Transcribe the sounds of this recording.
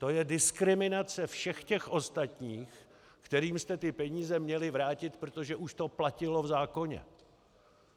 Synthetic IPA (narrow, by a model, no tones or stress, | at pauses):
t̪o̞jɛdɪskɾɪmɪnat͡sɛfʃɛxcɛxʔo̞st̪at̪ɲiːx | kt̪ɛɾiːmst̪ɛt̪ɪpɛɲiːzɛmɲɛlɪvɾaːcɪt̪pɾot̪o̞ʒɛʔuʃt̪o̞placɪlo̞vzaːko̞ɲɛ̰